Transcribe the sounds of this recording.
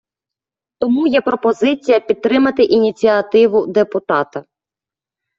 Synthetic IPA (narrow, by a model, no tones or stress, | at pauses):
t̪ɔmujɛpɾɔpɔzɪt͡sʲijɐpʲid̪̚t̪ːɾɪmɐt̪ɪʔinʲit͡sʲiɐt̪ɪʋʊd̪epʊt̪ɑt̪ɐ